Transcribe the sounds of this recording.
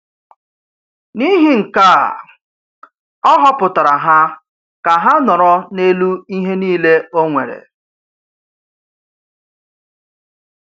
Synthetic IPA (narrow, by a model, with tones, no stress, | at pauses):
ni˦ɦi˦ŋ̩˨ka˦˨ | ɔ˦ɦɔ˦pʊ˨ta˨ɾa˨ɦa˦ | ka˨ɦa˦nɔ˨ɾɔ˦ne˦lu˦i˦ɦe˦niː˦le˦o˦ŋʷe˨ɾḛ˨